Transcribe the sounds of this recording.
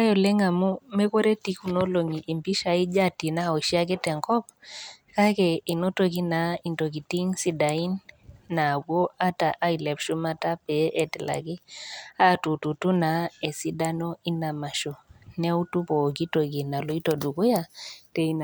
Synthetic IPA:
a˦jɔ˨lɛ˦ŋa˨mu˦mɛ˦ko˦ɾe˦ti˦ku˦no˦lo˨ŋi˨ʔːmpi˦ʃa˨i˦d͡ʒa˦ti˨na˦ɔ˨ʃi˦a˦k̬ɛ˦tɛ˨ŋkɔ˦p̚ka˦kɛ˨i˨no˦to˨ki˦na˨i˨nto˨ki˨ti˦ŋsi˦da˨i˦nːa˨ɡo˦a˦ta˨ʔa˦i˨lɛ˨pʃu˦ma˦ta˦pɛ˨˦ʔɛ˦tɛ˨la̰˨ki˦a˦˨tu˨tu˨tu˦na˨e˨si˦da˦no˦i˦na˨ma˨ʃo˨nɛ˦u˦tu˦po˨ki˦to˨ki˨na˨lo˨i˦to˨du˨ku˦ja˨te˨i˦n˨

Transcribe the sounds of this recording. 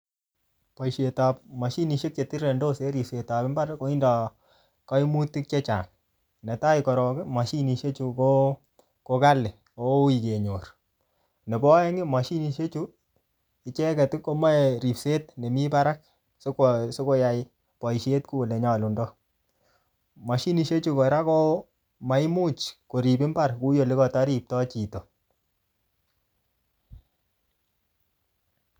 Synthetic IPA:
pɔ˨iʃe˨ta˨pmɑ˨ʃi˦ni˨ʃe˦k̚t͡ʃe˨ti˦ɾe˨ndo˦se˦ɾi˨pse˨ta˨pɪ˦mba˦ɾkːo˧˦i˦ndɔ˨ | kɔ˦i˦mu˦ti˦k̚t͡ʃe˦t͡ʃa̰˨n | nɛ˨ta˦ikɔ˨ɾɔ˨kɪ˦ma˨ʃi˦ni˨ʃe˦t͡ʃu˧ko˦ | ko˧ka˦lɪ˨ | o˨˦i˨ke˨ɲo˨r | ne˨bɔ˦ɛ˦ŋɪ˦mɑ˨ʃi˦ni˨ʃe˦t͡ʃu˦ | i˦t͡ʃɛ˦kɛ˨tɪ˦ko˦ma˦e˨ɾi˨pse˦tne˨mi˦pa˦ɾa˦k̚ | so˦kso˦ko˦ja˨j | pɔ˨i˨ʃe˦t̚ku˦˨le˨ɲɔ˨lu˨ndɔ˦ | ma˨ʃi˦ni˨ʃe˦t͡ʃu˧ko˨ɾa˦kɔ˦ | ma˨˦i˦mu˦t͡ʃko˨ɾi˨pɪ˦mba˦˨rku˦jo˨li˦kɔ˨ta˦ɾi˨p̚tɔ˦t͡ʃi˨to˨

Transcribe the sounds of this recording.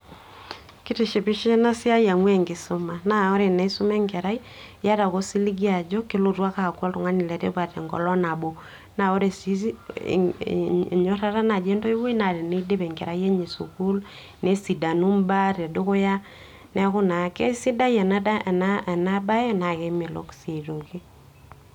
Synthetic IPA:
ki˦te˨ʃe˨pi˦ʃi˦na˦si˦a˦ja˨ŋwɛ˦ŋɡe˨so˦ma˨na˨o˦ɾe˨na˨i˦so˦mɛ˦ŋɡɛ˨ɾa˦i˦ | ja˦ɾa˨ɣo˦si˦li˦ɡi˦a˨d͡ʒɔ˦ke˦lo˨twa˦ka˨kɔ˦to˨ŋa˦ni˨lɛ˨tḛ˦βwa˨tɛ̰˨ŋɡɔ̰˨lɔ˦na˨bo˨ | na˨o˦ɾe˨sḭ˦˨ | ɲo˦ɾa˦ɾa˦na˨d͡ʒe˦ndo˦i˦wi˦na˨ɾe˨ne˦de˦βɛ˨ŋɡɛ˨ɾa˨˦i˦ɛ˦ɲe˨sṵ˨ku˦l | ne˦si˨da˨nu˦mba˦ɾe˨do˦ɣo˦ja˦ | nɛ˦kʊ˦na˨˦kɛ˦si˦da˦i˦ɛ˨na˦a˨na˦ɛ˨na˦ba˦ɛ˦na˨ke˦me˨lo̰˦ksi˨ɾo˨ki˦

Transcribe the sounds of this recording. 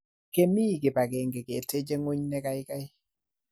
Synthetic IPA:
ke˨mi˦˨ɡɪ˨pa˨ɡe˨ŋɡe˨ke˨te˦d͡ʒe˦ŋo˦ɲnɛ˦ka˦jɪ˦ka˦j

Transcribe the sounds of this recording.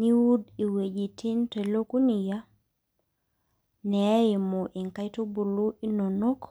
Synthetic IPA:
ni˦wu˦di˨we˨d͡ʒi˨tʰi˦nte˨lo˦ku˦ni˨ja˦ | nɛ˨˦jɪ˨mo˨ʔi˨ŋka˦jto˦bu˨lu˦i˦no˨no˦k

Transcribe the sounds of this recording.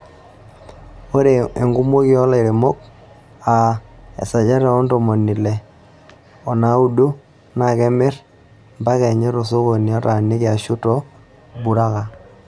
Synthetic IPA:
o˦ɾe˨e˨ŋɡu˦mo˦kɪ˦ɔ˦la˦˨i˨ɾe˨mo˦k̚ | a˨ɛ̰˨sa˨d͡ʒa˦ɾɛ˨ɔ˦ndɔ˨mɔ˨ni˨lɛ˨ | ɔ˨na˨˦u˦do˦ | na˨kɛ˦mɪ˦r | mba˦kɛ˨ɲɛ˦ɾo˨so˦ko˨ni˨a˦ta˨nɪ˦kɪ˨a˨ʃu˦tɔ˦ | bu˨ɾa˦ka˨

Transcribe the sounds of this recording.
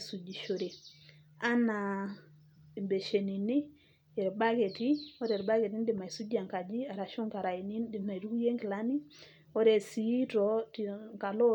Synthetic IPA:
su˨d͡ʒi˨ʃo˨ɾi˨ | a˦na˨ | mbe˨ʃe˨ni˨ni˦ | ɛ˨ɾba˦ke˨ti˦ɔ˦ɾe˨ɾba˦ɡe˨ti˦ndi˨ma˨i˨su˦d͡ʒa˨ŋka˨d͡ʒi˦a˨ɾa˨ʃu˦ŋka˨ɾa˨i˨ni˦ndima˨iɾu˦ku˦je˦ŋki˨la˦ni˦ | ɔ˦ɾe˨si˦tɔtika˨lɔ˦

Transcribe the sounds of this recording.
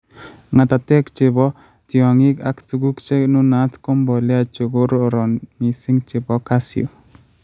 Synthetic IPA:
ŋa˨t̪a˨t̪ɛ˦kt͡ʃɪ˨bɔ˦ | t̪ɪɔ˨ŋɪ˦ka̰˨kt̪u˨ɡu˦kt͡ʃɛ˦nu˦nat̪kɔ˦mbɔ˨lɛ˦at͡ʃo˨ɡo˦ɾoɾɔ˨nmi˨sɪ˦ŋt͡ʃɪ˨bɔ˦kasio̰˨

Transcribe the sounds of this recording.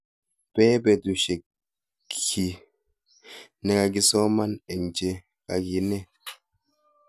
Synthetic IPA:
pɛː˦bɛ˨du˨ʃe˨ | i˨ | nɛ˨ka˨ɡi˦sɔ˦ma˦nɛ˨n˨d͡ʒe˨ | a˨ɡi˨nɛ˦

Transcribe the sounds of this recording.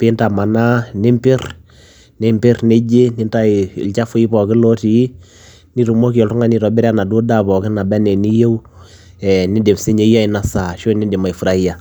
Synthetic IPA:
pɪ˦nta˨ma˨na˦nɪ˦mpɪ˦r | nɪ˦mpɪ˦ɾne˦d͡ʒe˦nɪ˦nta˦ɪ˨ɪ̰˨lt͡ʃa˦fʊ˦i˦pɔ˨kɪ˦lo˦ti˨˦ | ni˦ɾu˨mo˦ki˨ɔ˨ltu˦ŋa˦ni˨ɾɔ˨bɪ˦ɾa˦na˨du˦da˦pɔ˨kɪ˦na˨bɛ˦nɛ˨ni˦je˦w | ɛ˨nɪ˦dɪ˨mse˦ɲe˦ja˦ɪ˨na˦sa˨ʃo˦nɪ˦dɪ˨ma˨fu˨ɾa˦i˦ja˨

